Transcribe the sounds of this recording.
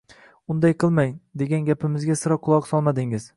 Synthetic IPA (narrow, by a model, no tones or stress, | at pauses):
ʊnd̪ajqʰɨlˠmajd̪e̞ɡʲanɡʲapʰɪmɪzɡʲasɨɾɒqʰːʊlˠɒqsɒlˠmad̪ɪŋɪz̥